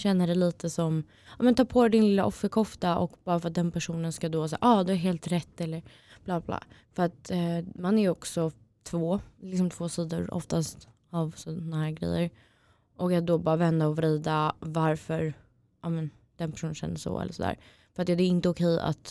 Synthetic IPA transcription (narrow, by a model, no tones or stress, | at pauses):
ɕɛnːəɖɛliːt̪əsɔm | ɑːmɛnt̪ʰɑːpʰoːɾɛd̪ɪnlɪlːaʔɔfːəɾkʰɔft̪aʔɔ̰kbɑːɾafœɾat̪̚d̪ɛnpʰæʂuːnənskad̪osɛ̰ːaɑːd̪ɵæɾɦeːlt̪ɾɛt̪ːɛlːəɾ | b̥labablɑ̰ːfœɾat̪manæɾjɔksɔ | t̪ʰvoːlɪksɔmt̪ʰv̥oːsiːd̪ʊ̰ɾɔ̰ft̪ast̪ | avsɔɔnahæːɾɡɾɛ̰jːəɾ | ʔɔkat̪̚d̪ɔbɑːɾavɛnd̪aɔvɾiːd̪avaɾfœɾ | ʔɑːmɛn | d̪̥ɛnpʰæ̥ʂuːnnɕɛ̰nːəʂɔ̰ɛ̰lːə̰ʂɔd̪æ̰ːɾ | fœɾat̪jɑːd̪ɛæɪnt̪əʊkʰɛja̰t̪